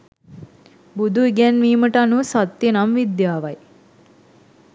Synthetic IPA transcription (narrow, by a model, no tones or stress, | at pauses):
bud̪ʱuiɡɛnʋiːməʈəanusat̪ːjenamʋid̪jaːʋɐj